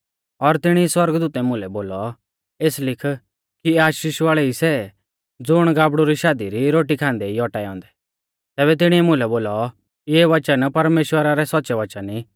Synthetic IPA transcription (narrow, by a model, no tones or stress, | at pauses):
ɔɾt̪ɪɽ̃iswɐɾɡd̪uːt̪ɛmʊ̃lɛboːlɔ | eːslɪkʰ | kiaːʃiʃʋaːɭɛisɛ | d͡zʊɽ̃ɡaːbɽuɾiʃaːd̪iɾiɾoːʈ̬ikʰãːnd̪ɛiɔʈaːiɔ̰̃ːnd̪ɛ | t̪ɛːβɛt̪̬ɪɽ̃iɛmʊ̃lɛboːlɔ | ɪɛʋɐt͡ʃənpɐɾmeːʃwəɾaɾɛsɔt̪ːt͡ʃɛʋɐt͡ʃəni